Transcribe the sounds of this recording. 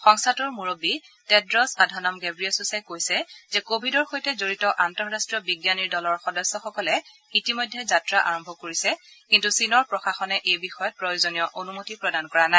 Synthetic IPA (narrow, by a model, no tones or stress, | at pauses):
xɔŋstʰatuɹmuɹobitɛdɹɔsadʱanɔmɡɛbɹiɔsusakojsɛzɛkobʱidɔɹxojtɛzoɹitɔʔantɔɹːastɹijɔbiɡjaniɹdɔlɔɹxɔdɔsːɔxɔkɔlɛ | itimɔjdʱːɛzatɹaʔa̰ɹɔmbʱɔkoɹisɛkintusinɔɹpɹɔxaxɔnɛʔejbixɔjɔt̚pɹojozonijɔʔonumotipɹɔdankɔɹanaj